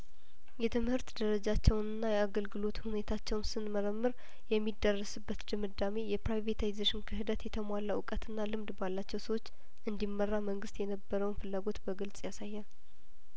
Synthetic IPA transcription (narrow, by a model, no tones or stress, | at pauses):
jɛt̪ʰɨmhɨɾt̪d̪əɾəd͡ʒat͡ʃːɛwnɨnːajɛaɡəlɡɨlo̞t̪hune̞t̪ʰat͡ʃːɛwnsɨnməɾəmːɨɾ | jɛmːid̪ərːəsɨbːət̪dɨmɨd̪ame̞jɛpɾajvet̪ʰajzaʃɪnkʰɨɦɨd̪ət̪jɛt̪ʰəmʷalːawʊkʼət̪ɨnːalɨmd̪balːat͡ʃːɛwsəwo̞t͡ʃː | ʔɨnd̪imːərːaməŋɡɨst̪jɛnəbːəɾəwnfɨlːaɡo̞t̪bəɡɨlt͡sʼjasajːɛ